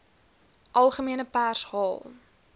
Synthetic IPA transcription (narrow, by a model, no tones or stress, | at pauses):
ʔɐlˠχəmiənəpærshɑːlˠ